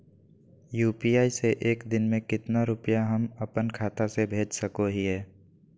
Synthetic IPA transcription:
juːpiaːiseʔeːkd̪ɪnmẽkɪt̪naɾʊpəjaɦɐmɐpənkʰaːt̪asebʱeːd͡ʒsəkoɦiɦɛː

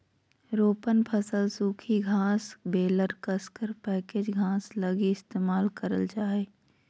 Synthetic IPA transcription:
ɾoːpənpʰəsəlsuːkʰiɡʱãːsbeːləɾkəskəɾpɛːked͡ʒɡʱãːsləɡiɪst̪eːmaːlkəɾəld͡ʒaːeː

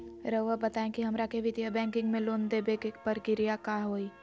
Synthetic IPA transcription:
ɾəʋəbɐt̪aːẽkiɦɐmɾakeʋɪt̪ijabɛ̃ːŋkɪ̃ŋɡmẽloːnd̪ebekekpɐɾkɪɾijakaːɦoːiː

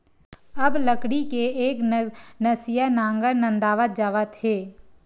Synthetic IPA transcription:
əbləkɽikeeːknɐsɪjanãːŋɡəɾnə̃nd̪aːʋət̪̚d͡ʒaːʋət̪ɦeː

